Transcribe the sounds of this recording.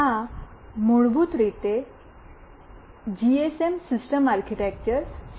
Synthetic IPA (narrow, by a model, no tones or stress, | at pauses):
a | moɭbuːt̪ɾet̪e | d͡ʑiesemsisʈəmaɾkʰiʈek̚t͡ɕəɾs